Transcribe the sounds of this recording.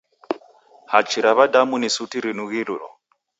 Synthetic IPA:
hat͡ʃʰiɾaβadamunisutiɾinuɣilṵɾɔ̰

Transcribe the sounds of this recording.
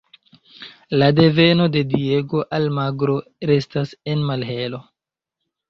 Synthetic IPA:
lade̞ve̞no̞de̞die̞ɡo̞ʔalmaɡɾo̞ɾe̞stase̞nmalɦe̞lo̞

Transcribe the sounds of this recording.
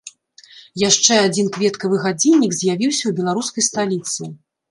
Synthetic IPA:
jaʂt͡ʂɛad͡zʲinkvʲɛt̪kɐvɨɣad͡zʲinʲːikzʲjavʲiwsʲɐwbʲɛlˠaɾuskɐjst̪alʲit̪sɨ

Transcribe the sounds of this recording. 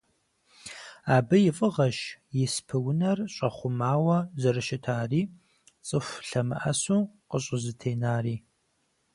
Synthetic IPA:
aːbɨjɪfʼɨʁɐʃjɪspʰɨwʊnɐrɕʼɐχʷʊmaːwɐzɐɾɨʃɪtʰaːriː | t͡sʼɨfɬɐmɨ̰ʔɐsuːqəɕʼɪzɨtʰeːnaːriː

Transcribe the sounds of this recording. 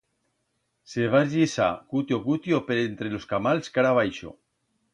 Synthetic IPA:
seβaʒisa̰kut̪jokut̪jopeɾent̪ɾeloskamalskaɾaβ̞ajʃo̰

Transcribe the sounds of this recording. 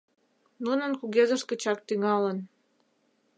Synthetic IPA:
nunənkuɣezəʃkə̆t͡ɕɑk̚t̪yŋɑlən

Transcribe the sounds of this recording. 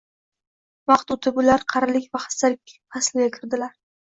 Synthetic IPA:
mɑχt̪ʊt̪ʰɪbʊlaɾqʰɑɾalɪkʲvaχḁsalɪkʲqʰaslɪɡʲakʲʰɪɾd̪ɪlaɾ

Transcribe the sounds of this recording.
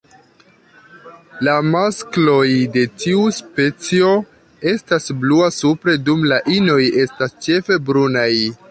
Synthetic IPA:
lamasklo̞jde̞tiuspe̞t͡sio̞ | e̞stasbluasupɾe̞dumlaʔino̞je̞stast͡ʃe̞fe̞bɾunaj

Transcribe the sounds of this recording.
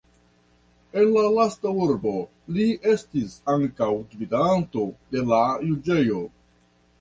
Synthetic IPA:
e̞nlalastauɾbo̞ | liʔe̞stisaŋkawdvidanto̞de̞lajud͡ʒe̞jo̞

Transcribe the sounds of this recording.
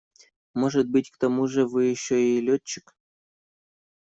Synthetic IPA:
moʐət̪̚bɨtʲkt̪amuʐə̆vɨjɪɕːoilʲott͡ɕːɪ̥kʲ

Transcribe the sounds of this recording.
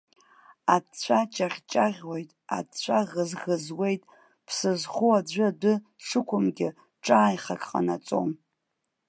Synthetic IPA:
at͡ɕʷʰat͡ʃʼaχʲt͡ʃʼaʁʲwo̞jtʼa̰t͡ɕʷʰaʁəzʁəzwe̞jtʼ | pʰsɨzχuad͡ʒʷɨdɨ | ʂʰɨkʷʰʊmɡʲɪ | ʈ͡ʂʼaːjχakʼqʼa̰nat͡sʼo̰m

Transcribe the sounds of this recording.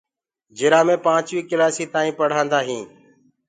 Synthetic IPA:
d͡ʒɪːɾaːmẽːpãːt͡ʃʋiːkɪlaːsiːt̪aːĩːpəɽ̤ãːnd̪aːɦĩː

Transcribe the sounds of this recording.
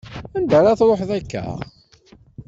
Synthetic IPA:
ænd̪əɾaθɾˤoħðækːæ̰

